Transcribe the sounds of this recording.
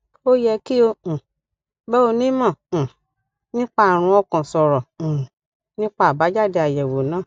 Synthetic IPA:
o˦jɛ˧ki˦õ˧˨ | bɛ˦o˧nĩ˦mã˦˨ | nĩ˦k͡pa˦˨ɾ̃ũ˧ɔ˧kã˨sɔ˨ɾɔ̃˨ | nĩ˦k͡pa˦a˨ba˨˦d͡ʒa˦˨de˧a˨jɛ˨wo˨nãː˦˨

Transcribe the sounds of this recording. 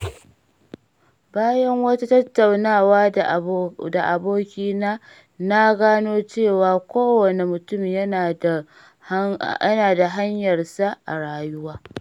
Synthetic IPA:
baː˦jɐ˦ŋwɐ˦ta˦tɐ˦tːa˨wnaː˦˨waː˦ | da˨ʔa˨boː˦kʲiː˦naː˦ | na˦ɡaː˦noː˦t͡ʃeː˦˨waː˨kʷoː˦wɐ˨ne˨mʊ˨tʊ˦m˨jɐ˦na˨˦ | ɐ˦naː˨da˨ɦa˦ɲjɐ˨rsa˦ʔa̰˨ɽaː˨jʊ˦waː˦

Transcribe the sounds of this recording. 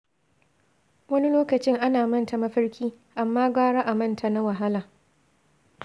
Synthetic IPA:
wɐ˦ni˦loː˦kɐ˨t͡ʃɪ˦ŋʔa˦naː˨mɐ˦nta˨mɐ˦ɸɐ˦rkʲiː˦ | ʔa˨mːaː˦ɡʷaː˦ɽa˦ʔa˨mɐ˦˨ntʰa˨na˦wa˨ɦa˦laː˨

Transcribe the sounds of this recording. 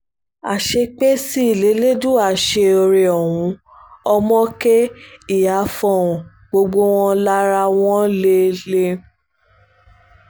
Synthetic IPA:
a̰˨ʃe˧k͡pe˦si˦i˨le˨˦le˦du˦˨a˦˨ʃe˧o˧ɾe˧ɔ˨wũ˨˧˦ | ɔ˧mɔ̃˦ke˦i˦˨ja˨˦fɔ̃˧˨ũ˨ | ɡ͡bo˧ɡ͡bo˦w̃ɔ̃˦la˦ɾa˧w̃ɔ̃˦le˦le˦

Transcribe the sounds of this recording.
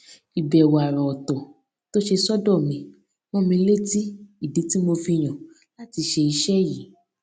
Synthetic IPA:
i˨bɛ˨wa˨ɾɔ˨ɔ˨tɔ˨ | to˦ʃe˧sɔ˦dɔ˦˨mĩ˧ | mɔ̃˦mĩ˧˦le˦ti˦i˦˨de˨˦ti˦mo˧fi˧j̃ã˨ | la˦ti˧ʃe˧i˧ʃɛ˦ji˨˦

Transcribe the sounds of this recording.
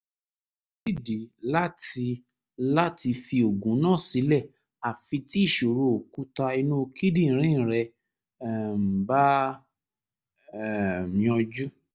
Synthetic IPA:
ki˦˨di˨la˦ti˧ | la˦ti˧fi˧o˨ɡũ˨˦nã˦˨si˨˦lɛ˦˨ | a˨fĩ˧ti˦i˦˨ʃo˨ɾo˧˨o˨ku˦ta˧i˧nũ˦o˧kʰi˦dĩ˦˨n̩˨ɾ̃ĩ˦n̩˨ɾɛ˧˨ | m̩˨ba˦˨˧ | ɔ̃˧d͡ʒu˦

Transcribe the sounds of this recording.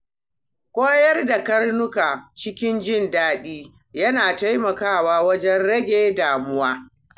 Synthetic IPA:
kʷoː˦jɐ˦rda˨kɐ˦rnʊ˦ka˨t͡ʃɪ˦kʲɪ˦nd͡ʒɪ˦ndaː˦ɗiː˦ | jɐ˦naː˨ta˦jmɐ˨kaː˦˨waː˦wɐ˦d͡ʒɛ˦nɽɐ˦ɡʲeː˦daː˨mʊ˦waː˦

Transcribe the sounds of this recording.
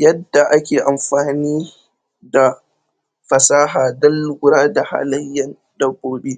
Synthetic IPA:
jɐ˦dːa˨ʔa˦kʲeː˨ʔa˨mɸaː˨niː˦ | da˨ | ɸɐ˨saː˦ɦaː˨dɐ˦lɡʷʊ˦ɾaː˦da˨ha̰˦lɐ˦jːɐ˦n | dɐ˨boː˨ɗeː˦

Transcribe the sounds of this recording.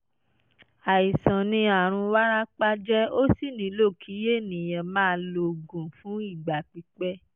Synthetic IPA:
a˨i˨sã˨nĩ˧a˨ɾ̃ũ˧wa˦ɾa˦k͡pa˦d͡ʒɛ˦o˦si˦˨nĩ˨˦lo˦˨kʰi˨˦je˦˨nĩ˨jã˨mãː˦lo˧ɡũ˨fũ˨˦i˦˨ɡ͡ba˨k͡pi˨˧k͡pɛ˦

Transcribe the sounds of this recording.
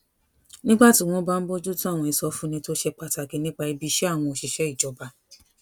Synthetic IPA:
nĩ˦ɡ͡ba˦˨ti˨˧˨w̃ɔ̃˦ba˦m̩˦bo˦d͡ʒu˦tũ˦a˦˨w̃ɔ̃˧˨i˧sɔ˧fũ˦nĩ˧to˦ʃɛ˧k͡pa˧ta˨ɡe˨˦nĩ˦k͡pa˧i˧bi˧˦ʃɛ˦a˦˨w̃ɔ̃˧o˧˨ʃi˨ʃɛ˨˦i˦˨d͡ʒɔ˨˦ba˧

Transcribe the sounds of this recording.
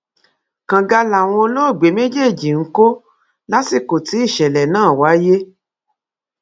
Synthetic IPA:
kã˨ɡa˧la˨w̃ɔ̃˧lo˦˨ɡ͡be˨˦me˦d͡ʒe˦˨d͡ʒi˨ŋ̩˦ko˦ | la˦si˦˨ko˨ti˨˦i˦˨ʃɛ˨lɛ˨nãː˦˨wa˨˦je˦

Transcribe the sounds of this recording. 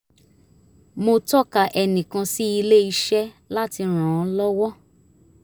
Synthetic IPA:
mo˧tɔ˦ka˨ʔɛ˧nĩ˨kã˧si˦i˧le˦i˧ʃɛ˦ | la˦ti˧ɾ̃ã˨˦lɔ˦wɔ˦

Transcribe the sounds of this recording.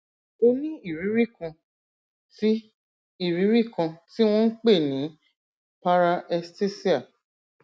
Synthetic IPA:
o˧nĩ˦i˦˨ɾi˨˦ɾi˦˨kã˧ | ti˦ | i˦˨ɾĩ˨˦ɾi˦˨kã˧ti˦w̃ɔ̃˦n̩˦k͡pe˦˨nĩ˨˦ | pa˦ɾa˧ʔɛ˧ste˦si˦a˦˨

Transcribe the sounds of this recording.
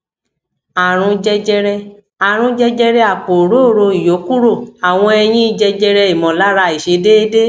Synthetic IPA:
a˨ɾ̃ũ˧d͡ʒɛ˧d͡ʒɛ˧ɾɛ˧ | a˨ɾ̃ũ˧d͡ʒɛ˧d͡ʒɛ˧ɾɛ˧a˨k͡po˨ɾo˨˦o˦˨ɾo˧i˨jo˨˦ku˦ɾo˦˨a˨w̃ɔ̃˧ɛ˧j̃ĩ˦i˦d͡ʒɛ˧d͡ʒɛ˧ɾɛ˧i˨mɔ̃˨la˦ɾa˧˨i˨ʃe˨˧˦de˦de˦

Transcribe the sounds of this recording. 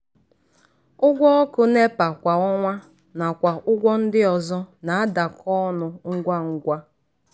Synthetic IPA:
ʊ˦ɡʷɔ˦ɔ˦kʊ˦ne˦pa˨kʷa˨ɔ˦ŋʷa˦ | na˨kʷa˨ʔʊ˦ɡʷɔ˦n̩˦dɪ˦ɔ˨zɔ˦na˨a˦da˨kʰɔ˦nʊ˨ŋ̩˦ɡʷa˦ŋ̩˦ɡʷa˦

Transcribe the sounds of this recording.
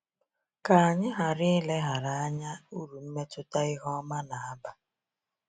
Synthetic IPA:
ka˨a˨ɲɪ˦ɦa˨ɾɪ˦ɪ˦le˦ɦa˨ɾa˨a˦ɲa˦u˦ɾu˨m̩˦me˦tʊ˦ta˦ɪ˦ɦɔ˦ma˦na˨a˦ba˦

